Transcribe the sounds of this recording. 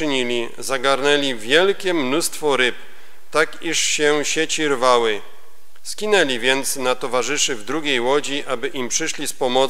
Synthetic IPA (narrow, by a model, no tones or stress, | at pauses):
ɲilʲi | zaɡaɾnɛlʲivʲjɛlkʲɛmnust̪fɔɾɘp | t̪akiʂɕɛɕet͡ɕiɾvawɘ | skʲinɛlʲivʲjɛnt̪snat̪ɔvaʐɘʂɘvd̪ɾuɡʲejwɔd͡ʑiʔabɘʔimpʂɘʂlʲispɔmɔ